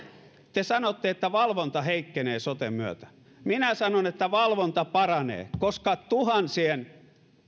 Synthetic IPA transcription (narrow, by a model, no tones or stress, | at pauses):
t̪esɑnot̪ːeet̪ːæʋɑlʋont̪ɑheikːeneːsot̪emmyøt̪æ̥ | minæsɑnonet̪ːæʋɑlʋont̪ɑpɑrɑnḛːkoskɑt̪uhɑnsien